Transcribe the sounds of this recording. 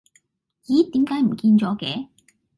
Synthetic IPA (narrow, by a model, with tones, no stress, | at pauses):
jiː˨˥t̪iː˨˥mkaː˨˥jm̩˨˩kiː˧nt͡sɔː˨˥kɛː˨˥